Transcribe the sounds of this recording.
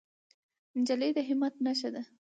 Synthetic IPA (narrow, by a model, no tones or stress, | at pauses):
nd͡ʒaled̪əɦɪmat̪naʃ̬ad̪a